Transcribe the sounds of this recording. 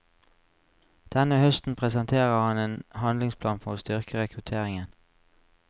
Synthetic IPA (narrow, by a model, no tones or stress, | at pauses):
d̪̥ɛnəhœst̪n̩pʰʁɛsənt̪ʰeːʁəhɑneːnhɑnlɪŋspʰlɑːnfɔst̪ʏʁkəʁɛkʰʁʉt̪ʰeːʁɪŋən